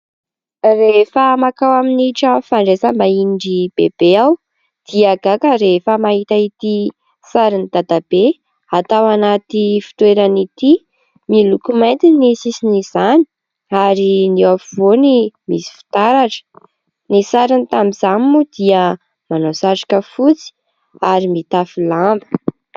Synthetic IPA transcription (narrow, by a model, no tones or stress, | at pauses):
refəmakawaminiʈ͡ʂəfaɳɖ͡ʐesabainɖ͡ʐib̥eb̥eaw | d̪̥iaɡakəɾefəmaɦit̪ait̪i | saɾinid̪̥ad̪abe | at̪awanat̪ifi̥t̪weɾanit̪i | milukumajnt̪inisisiniz̥ani̥ | aɾiniafivonimisi̥fi̥t̪aɾaʈ͡ʂə̥ | nisaɾinit̪ambizamimud̪̥iə | manosaʈ͡ʂḁkəfut͡si̥ | aɾimit̪afilambə̥